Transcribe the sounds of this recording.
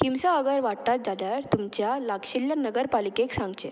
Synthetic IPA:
kimsaəɡəɾʋaʈt̪at̪̚d͡zad̪aɾt̪umt͡ɕjalakɕiljanəɡəɾpalikeksãŋɡd͡ʑe

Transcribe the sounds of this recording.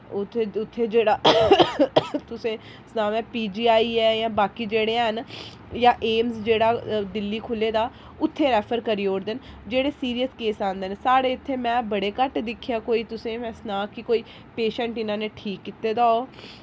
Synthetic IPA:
ʊt̪ʰːʊt̪ʰːeːd͡ʒeːɽaː | t̪ʊsẽː | snaːʋɛ̃ːpiːd͡ʒiːaːiːɛːjãːbaːkiːd͡ʒeːɽeːɦən | jãːʔeːmzd͡ʒeːɽaːd̪ɪlːiːkʰʊlːeːd̪aː | ʊt̪ʰːeːɾɛːpʰəɾkəɾiːoːɽd̪end͡ʒeːɽeːsiːɾijəskeːsãːnd̪eːneːsaːɽeːɪt̪ʰːeːmɛ̃ːbəɽeːkəʈd̪ɪkʰːɪjaːkoːiːt̪ʊsẽːmɛ̃ːsnaːkɪkoːiː | peːʃəɳʈɪnãːneːʈʰiːkːɪt̪ːeːd̪aːoː

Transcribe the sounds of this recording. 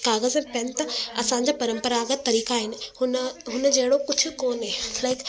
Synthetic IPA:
kaːɣəzɛ̃ːpɐnɪt̪ɐɐsãːɲd͡ʑaːpɐɾə̃mpəɾaːɡət̪ɐɾiːkaaːɦɪnɪ̆hʊnɦʊnəd͡ʑɐɦɪɽokʊd͡ʑʰʱʊ̆koːnɦeːlaɪk

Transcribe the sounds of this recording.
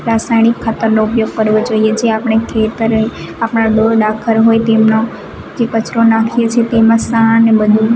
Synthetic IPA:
ɾasajɳɪkʰːaːt̪əɾnoʊpjoɡ̚kəɾʋod͡ʒoijed͡ʒeapɽ̃ekʰet̪əɾe | apɽaɗoɾɗakʰəɾɦojt̪emno | d͡ʒekət͡ʃɾonakʰijet͡ʃʰet̪emãsanːebəd̪ʱũ

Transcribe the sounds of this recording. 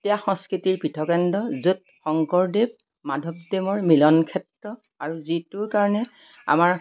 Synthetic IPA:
tijaxɔŋskɹitiɹpitʰɔkɛndɔzut̚ | xɔŋkɔɹdeb̚ | madʱɔb̚demɔɹmilɔnkʰɛtɹɔ | aɹuzitʊɹkaɹɔnɛ | a̰maɹ

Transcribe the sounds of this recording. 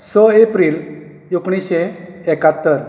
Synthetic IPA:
sɔepɾiːl | jokɳ̃iɕe | ekat̪ːəɾ

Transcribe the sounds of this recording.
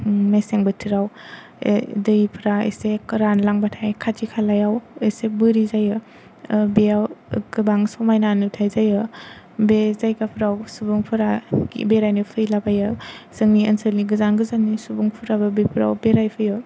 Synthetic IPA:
meseŋbɯtʰiɾaw | dɯjipʰɾaḛsekɯɾanlaŋbatʰajkʰatʰikʰalajawesebɯɾizajɔ | beawɡɯbaŋsɔmajnanutʰajzajɔ | bezajɡapʰɾawsubuŋpʰɯɾaɡḭbeɾajnɯpʰɯjlabajɔsɯŋniɐ̰nsɯɾniɡɯzanɡɯzannisubuŋpʰuɾabɯbepʰɾa̰wbeɾajpʰɯjɔ

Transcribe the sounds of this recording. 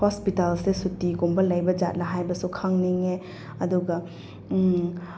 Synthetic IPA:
hospitalsesutːiɡumbɐlɐjbɐd͡ʒa̰t̚lɐɦajbɐsukʰaŋniŋe | ɐduɡɐ

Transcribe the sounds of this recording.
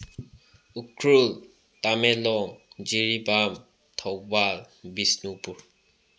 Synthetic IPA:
ukʰɹul | tamɛlɔŋd͡ʒiɹibam | t̪ʰɔwbal | bisnupuɹ

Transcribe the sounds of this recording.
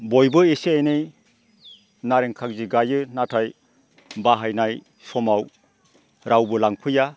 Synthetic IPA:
bojbɯesiajnej | naɾeŋkʰak̚ziɡajɯnatʰaj | baɦajnaj | sɔmaw | ɾawbɯlaŋpʰɯja

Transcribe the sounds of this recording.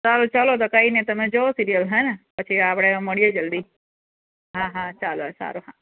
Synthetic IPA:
salot͡ʃalot̪okainet̪əmed͡ʒoosiɾijəlɦɔjnepət͡ʃʰiapɽ̃eməɽijed͡ʒəld̪i | ɦãɦãt͡ʃalosa̰ɾoɦã

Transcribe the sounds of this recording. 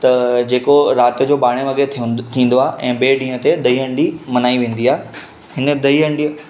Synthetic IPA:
t̪ɐd͡ʑeːkoɾaːt̪əd͡ʑoːbaːɽ̃eʋɐɡet̪ʰĩːnd̪oaːeʔɛ̃ːbeːɖĩːɦət̪ed̪ɐiːɦə̃ɳɖimɐnaːiʋẽːn̆d̪iaːe | ɦɪnəd̪ɐiə̃ɳɖi

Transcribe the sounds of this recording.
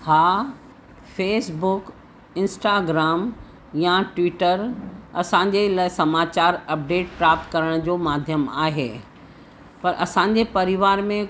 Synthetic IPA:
haː | feːsbʊk | ɪ̃nsʈaːɡɾaːm | jaʈwʋiːʈəɾɐsãɲ̆d͡ʑelaːɪsɐmaːt͡ɕaːɾɐp̚ɖeːʈ̚pɾaːp̚t̪kɐɾəɽ̃d͡ʑoːmaːd̪ʱjəma̰ːɦeː | pɐɾʔɐsãːɲ̆d͡ʑepɐɾɪʋaːɾmẽ

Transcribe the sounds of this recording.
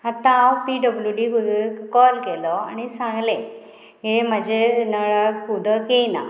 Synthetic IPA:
at̪ãːwpiɖəbljuɖiukɔlkelɔanisãŋɡlẽ | ɦem̤əd͡ʑʱenəɭəud̪ʱəkena̰

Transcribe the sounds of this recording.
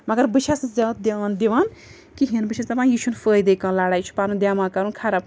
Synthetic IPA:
mɐɡɐɾbɨʃʰɐszaːt̪̚d̪eʋaːnd̪eʋaːn | kiɦinbɨʃʰɐst̪ɐpãːjiːʃunfəːjd̪eːkãːnlaːɽaːjt͡ʃʰu̥paːɾũnd̪ʲjaːmãːkɐɾunkʰaɾɐb

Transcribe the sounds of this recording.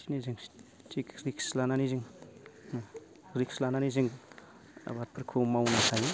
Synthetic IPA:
siniziŋ | t͡ʃikɾikslananiziŋ | ɾikslananiziŋ̰ | bat̚pʰəɾkʰumawnakʰaji

